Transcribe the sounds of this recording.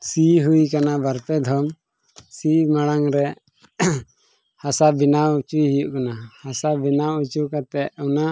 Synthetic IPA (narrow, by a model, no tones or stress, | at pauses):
siɦujkanabaɾt̪ɛd̪ʱɔm | simaɽaŋɾɛ | hasabinawut͡ʃiɦijuʔkanahasabinawut͡ʃukat̪ɛʔuna